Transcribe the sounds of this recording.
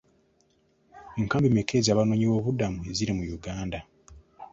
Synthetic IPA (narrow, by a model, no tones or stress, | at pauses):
eŋkaːmbimeke̞ːzaːβano̞ɲiwo̞ːβudamue̞ziɾimujuɡaːnda